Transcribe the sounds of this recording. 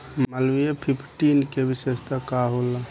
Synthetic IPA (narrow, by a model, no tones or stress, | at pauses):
malʋijepʰipʰʈinkebisest̪əkaɦola